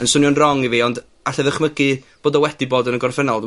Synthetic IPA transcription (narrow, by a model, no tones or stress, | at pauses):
ənsʊnjɔnrɔŋiviːɔnd | aɬɛðəχməɡɨb̥oːdɔwɛdiboːdənəɡɔrfənɔlˠ